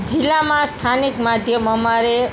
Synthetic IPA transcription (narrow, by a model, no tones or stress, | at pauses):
d͡zilːamast̪ʰanikmad̪ʱjʌmʌmaɾe